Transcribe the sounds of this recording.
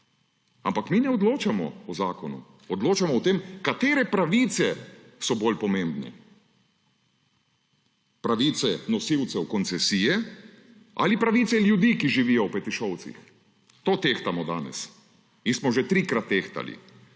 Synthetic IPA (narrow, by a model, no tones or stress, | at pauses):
ampakminɛɔd̪loːt͡ʃamɔ̰ɔzaːkɔnṵ | ɔd̪loːt͡ʃamɔɔt̪emkat̪eːɾɛpɾaʋiːt̪sɛ | sɔboːlpɔmẽmbnɛ̰ | pɾaʋiːt̪sɛnɔsiwt̪sɛwkɔnsɛsiːjɛ | ʔa̰lipɾaʋit̪sɛljud̪iːkiʒiʋiːjɔwpɛt̪iʃɔwt̪sḭx | t̪oːt̪eːxt̪amɔd̪aːnɛ̰s | insmɔʒɛt̪ɾikɾat̪ːeːxt̪a̰lḭ